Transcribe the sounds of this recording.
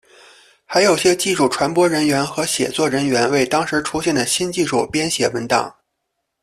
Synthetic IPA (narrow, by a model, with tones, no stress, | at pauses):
xa˧˥ɪjo˨˩ʊɕjɛ˥t͡ɕi˥˧ʂu˥˩ʈ͡ʂʰwa˧˥npwɔ˥ɻə˧˥nɥɛ˧˥nxɤ˧˥ɕjɛ̰˨˩t͡swɔ˥˩ɻə˧˥nɥɛ˧˥nwe˥˩ɪt̪ɑ˥ŋʂɻ̩˧˥ʈ͡ʂʰu˥ɕjɛ˥˩nd̪ə˩ɕi˥nt͡ɕi˥˧ʂu˥˩pjɛ˥nɕjɛ˧˩wə˧˥nt̪ɑ̰˨˩˦ŋ